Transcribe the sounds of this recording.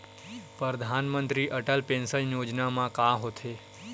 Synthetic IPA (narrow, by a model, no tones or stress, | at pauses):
pɾəd̪ʱanmənt̪ɾiʔəʈəlpẽnsəlnjod͡ʒnamãkaɦot̪ʰe